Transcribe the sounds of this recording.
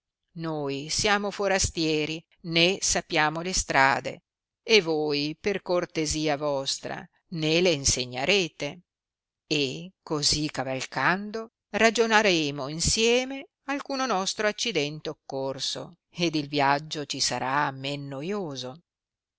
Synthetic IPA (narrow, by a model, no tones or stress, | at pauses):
nojsjaːmofoɾast̪jɛːɾi | nesapːjaːmolest̪ɾa̰ːd̪ḛ | evojperkort̪eziːavɔst̪ɾa̰ | neleinseɲːa̰ɾeːt̪e | ekozikavalkand̪o | rad͡ʒonaɾeːmoinsjɛːme | alkuːnonɔst̪ɾoat͡ʃːid̪ɛnt̪eokːorso̰ | ed̪ilvjad͡ʒːot͡ʃisaɾamenːojoːzo